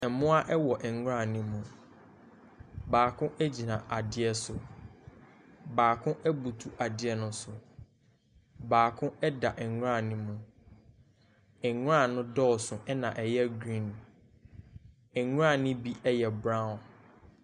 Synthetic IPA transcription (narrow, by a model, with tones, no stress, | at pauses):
ɛ˨mʊ̃˦a˦ʔɛ˦wɔ˨ʔɛ˨ŋ˦ɾã˦˨nɪ̃˦mũ˨ | baː˨kʰʊ̃˦ʔɛ˦d͡ʑi˨nã˨ʔa˨dɪ˦ɛ˦sʊ˨ | baː˨kʰʊ̃˦ʔɛ˦bu˨tʰu˦ʔa˨dɪ˦ɛ˦nʊ̃˦sʊ˨ | baː˨kʰʊ̃˦ɛ˦da˨ʔɛ˨˦ʊ˦ã˦˨nɪ̃˦mũ˨ | ɛ˨ɲ˦ã˦˨nʊ̃˦dɔː˦˨sʊ̃˨ʔɛ˦nã˨ʔɛ˨jɛ˦ɡɾĩ˦˨n | ɛ˨ŋ˦ã˦˨nɪ̃˦bi˦ʔɛ˦jɛ˨bɾã˦˨n